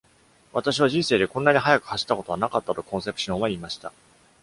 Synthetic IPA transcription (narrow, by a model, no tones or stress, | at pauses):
βat̪aɕiβaʑĩɰ̃se̞ːd̪e̞kõ̞nːaɲ̟iɦajakɯ̟haɕi̥t̪ːako̞t̪o̞βanakat̪ːat̪o̞kõɰ̃se̞pɯ̟̥ɕõɰ̃βaimaɕi̥t̪a